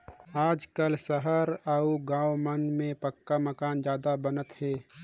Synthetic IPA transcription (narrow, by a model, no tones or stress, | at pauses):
aːd͡ʒkəlsəɦəɾauɡãːwmənmẽpəkːaməkaːnd͡ʒjaːd̪abənət̪ɦɛː